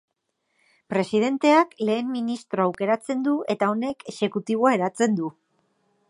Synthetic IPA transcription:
pɾe̞sið̞e̞nt̪e̞akle̞ːmːinist̪ɾo̞awke̞ɾat͡se̞nd̪ue̞t̪ao̞ne̞kʰe̞se̞kut̪iβ̞o̞aeɾat͡se̞nd̪u

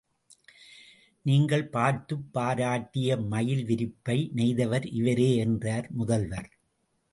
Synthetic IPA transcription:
niːŋɡɐɭpaːɾt̪ɯpːaːɾaːʈːɪjɐmɐjɪlʋɪɾɪpːɐɪnɛɪðɐʋɐɾʔɪʋɐɾeːɛndraːɾmʊðɐlʋɐɾ

